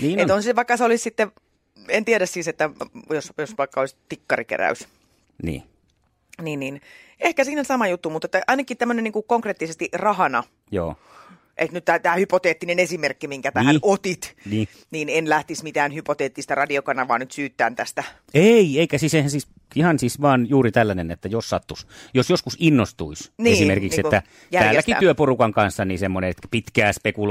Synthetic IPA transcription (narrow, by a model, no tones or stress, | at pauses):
niːneonsiʋɑikːɑseolissit̪ːe | ent̪ieɾæssiːset̪ːæjosjosʋɑikːɑolist̪ikːɑrikḛɾæ̰ys | nḭː | niːnniːnehkæsiːnsɑmɑjut̪ːumut̪et̪ːæʔɑinɑkit̪æmːøneniːŋkukoŋkreːt̪ːisest̪iʔrɑhɑnɑ | jo̰ː | ʔḛt̪nyt̪t̪æt̪æːhypot̪eːt̪ːinenesimerkːimiŋkæt̪æhænot̪it̪niː | niːnenlæht̪ismit̪æːnhypot̪eːt̪ːist̪ɑrɑdiokɑnːɑʋɑ̰ːnnyt̪syːt̪ːæːnt̪æst̪æ | eieikæsisehænsis | ihɑnsisʋɑːnjuːrit̪ælːænenet̪ːæjossɑt̪ːusjosjoskusinːost̪uisnieːsimerkikssetːæ | jæːllækiyøporukɑŋkɑnsːɑniːsemːoneet̪æpit̪kæːspekul